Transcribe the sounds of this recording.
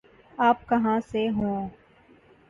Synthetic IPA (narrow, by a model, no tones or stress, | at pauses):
aːp̚kɐɦãseɦõː